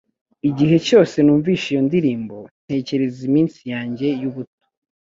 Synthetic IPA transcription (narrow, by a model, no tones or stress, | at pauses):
iɟiɦe̞co̞ːse̞nuːɱviːʃijo̞ndiɾiːmbo̞n̥he̞ːce̞ɾezimiːnsijaːɲɟe̞juβuto̥